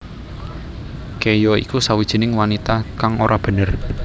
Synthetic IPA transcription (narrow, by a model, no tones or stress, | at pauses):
kejɔḭkusawid̥ʒ̥i̤nɪŋwanit̪akaŋoɾʔab̥ə̤nər